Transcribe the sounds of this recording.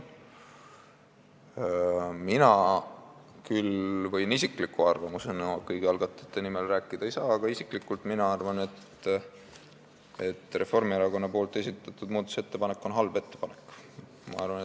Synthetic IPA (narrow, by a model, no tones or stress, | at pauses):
minɑ | kylvɤjnisiklikːuɑrvɑmusenoɑkɤjɡiɑlɡ̥ɑt̪ːˑe̥t̪ːˑe̞nimelræːkˑːid̪̥ɑejsɑːɑɡ̥ɑisiklikːˑult̪minɑɑrvɑne̞t̪ | e̞t̪ːˑre̞fo̞rmieɾɑko̞nːɑpo̞ːlt̪ˑe̞s̬it̪ːˑɑt̪ːˑud̪muːd̪o̥se̞t̪ːe̞pɑne̞kːˑo̞nɦɑlbe̞t̪ːe̞pɑnekː | mɑ̰ɑrvɑne